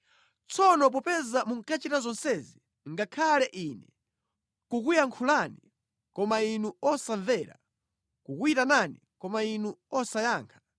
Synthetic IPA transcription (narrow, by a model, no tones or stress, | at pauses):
t͡sʰɔnɔp̬ɔpɛzamuŋ̩kat͡ʃitazɔnsɛzi | ŋɡakʰalɛʔiːnɛ | kukujaŋkʰulani | kɔmainuɔsaɱvɛːɾa̰ | kukuitananikɔmainuɔsajaːŋkʰḁ